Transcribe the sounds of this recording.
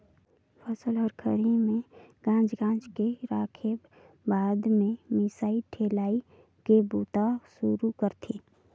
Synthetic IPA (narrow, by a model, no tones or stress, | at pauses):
pʰəsəlɦəɾkʰəɽimẽɡ̥ãːd͡ʒɡãːd͡ʒkeɾaːkʰe | baːd̪mẽmɪsaːiʈʰeːlaːi | kebuːt̪asuɾukəɾt̪ʰiː